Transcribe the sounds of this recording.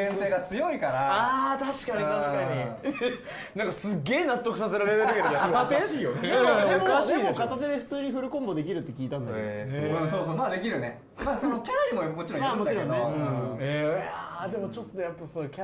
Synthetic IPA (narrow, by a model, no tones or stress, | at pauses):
ẽse̞ːɡat͡sɨjo̞ikaɾaaːt̪aɕi̥kaɲit̪aɕi̥kaɲ̟i | nãŋkasɨɡʲe̞ːnat̪ːo̞kɯ̟sase̞ɾaɾe̞t̪eɾɯɯkeɾɯat̪at̪eijoɯ̃mokaɕiːdokat̪at̪e̞d̪e̞ɸɯ̟̥t͡sɨːɲ̟iɸɯ̟ɾɯ̟kõmbo̞d̪e̞k̬ʲiɾɯ̟t̪ːekʲiːt̪ãnd̪a̰kesoːsomaːd̪e̞kʲiɾɯ̟ne | masonokʲaɾʲimomo̞t͡ɕiɾõmaːmo̞t͡ɕiɾõ̞nːẽead̪e̞mo̞t͡ɕo̞t̪ːo̞japːasoːkʲ